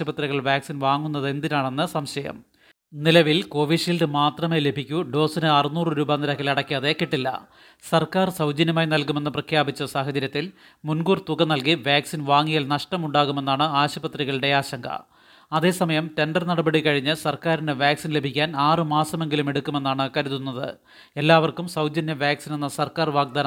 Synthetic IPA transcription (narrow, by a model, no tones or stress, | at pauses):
ɐbɐt̪riɣɐɭʋjaːksinʋaːŋːunːɐðe̞nd̪inaːɳenːɨsɐmɕɐjɐ̰m | nilɐʋilko̞ːʋiʂilɖɨmaːt̪rɐmeːle̞bʱikʲːuɖo̞ːsinɨɐrɨnuːrɨɾuːbaːnːiɾɐkːɐlɐɽɐkʲːaːðe̞kiʈːilːɐ̰ | sɐrkaːrsɐwd͡ʑɐnjɐmaːjnɐlkumenːɨprɐkʰjaːbit͡ɕːɐsaːɦɐd͡ʑɐɾjɐt̪ːil | munɡuːrt̪uɣɐnɐlkiʋjaːksinʋaːŋːijalnɐʂʈɐmuɳɖaːɣume̞nːaːɳɨaːɕɐbɐt̪riɣɐɭɨɽe̞aːɕɐŋɡɐ̰ | ɐðe̞ːsɐmɐjɐmte̞ɳɖɐrnɐɽɐbɐɽikɐɻiɲːɨsɐrkaːɾinɨʋjaːksinlebʱikʲːaːnaːrɨmaːsɐme̞ŋɡilume̞ɽukːume̞nːaːɳɨkɐɾuðunːɐðɨ̰ | e̞lːaːʋɐrkumsɐwd͡ʑɐnːɐʋjaːksinenːɐsɐrkaːrʋaːɡ̚d̪aːn